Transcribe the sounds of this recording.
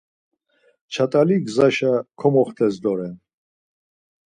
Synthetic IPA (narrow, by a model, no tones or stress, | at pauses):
t͡ʃʰat̪ʼaliɡzaʃakʰɔmɔχt̪ʰɛsd̪ɔɾɛn